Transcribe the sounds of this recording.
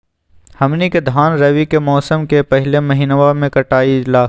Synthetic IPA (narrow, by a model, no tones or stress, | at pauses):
hɐmniked̪ʱaːnɾɐʋikemɔːsəmkepɛɦlemɐɦiːnʋamẽkɐʈaːilaː